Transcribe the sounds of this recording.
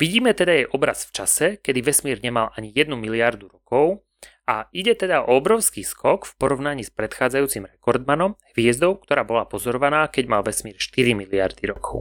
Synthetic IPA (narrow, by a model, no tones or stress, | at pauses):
ʋiɟiːmɛt̪ɛd̪ajɛjʔɔbɾa̰sft͡ʃasɛkɛd̪iʋɛsmiːɾɲɛmalʔaɲijɛd̪numiliaɾd̪uɾɔkɔʊ | aiɟɛt̪ɛd̪aʔɔɔbɾɔʊskiːskʰɔkfpɔɾɔʋnaɲiːspɾɛt̪xaːd͡zajuːt͡simɾɛkɔɾd̪manɔmhʋɪɛzd̪ɔʊkt̪ɔɾaːbɔlapɔzɔɾɔʋanaːkɛɟmalʋɛsmiːɾʃt̪iɾimilia̰ɾd̪iɾɔkʰɔʊ